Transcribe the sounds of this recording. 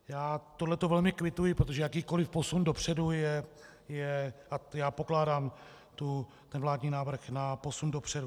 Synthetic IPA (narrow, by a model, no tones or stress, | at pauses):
jaːt̪odlɛt̪ovɛlmɪkvɪt̪ujɪpɾot̪oʒɛjakiːko̞lɪfpo̞sundo̞pr̝̥ɛdujɛ | jɛʔajaːpo̞klaːdaːm | t̪u | t̪ɛnvlaːdɲiːnaːvr̩xnapo̞sundo̞pr̥ɛdu